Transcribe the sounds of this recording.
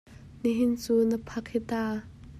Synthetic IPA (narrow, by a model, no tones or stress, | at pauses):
niɦɪnt͡suːnəpʰɐk̚hit̪a